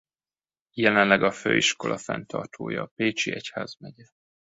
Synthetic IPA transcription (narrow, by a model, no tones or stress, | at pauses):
jɛlɛnlɛɡɒføːiʃko̞lʔɒfɛ̰nt̪ʰɒ̰rt̪ʰoːjɒːpeːt͡ʃiɛchaːzmɛɟɛ